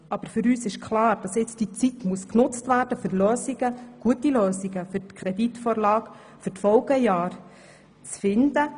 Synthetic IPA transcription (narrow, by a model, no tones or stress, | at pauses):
ʔɑb̥əɾfʏɾyːsɪʃkχlɑːɾd̥ɑsɪt͡sd̥it͡sitmuəsknʊt͡stʋæːɾd̥əfʏɾløːsiɡ̥əɡ̥uətiløːsiɡəfʏɾtkʰɾɛditfɔːɾlɑːk | fʏɾtfɔlɡəjɑːɾ | t͡sfɪnd̥̪ə